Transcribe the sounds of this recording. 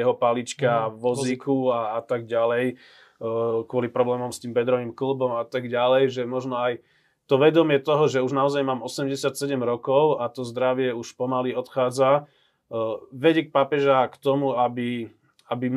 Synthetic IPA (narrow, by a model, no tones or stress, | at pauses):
ɛɦɔpalit͡ʃkaʋɔzzikuaːt̪aɡ̚ɟalɛj | kwʊɔlipɾɔblɛːmɔmst̪iːmbɛd̪ɾɔʋiːmkl̩bɔmat̪aɡɟalɛjʒɛmɔʒnɔaj | t̪ɔʋɛd̪ɔmɪɛt̪ɔɦɔʒɛuʒnaɔzajmaːmɔsɛmɟɛsɪat̪sɛɟɛmɾɔkɔʊat̪ɔzd̪ɾaʋɪɛuʃpɔmaliɔt̪xaːd͡za | ʋɛɟɛk̚papɛʒakt̪ɔmuabi | abim